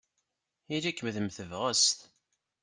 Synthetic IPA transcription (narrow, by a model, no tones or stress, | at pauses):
ilækːəmðəmθəvʁəst̪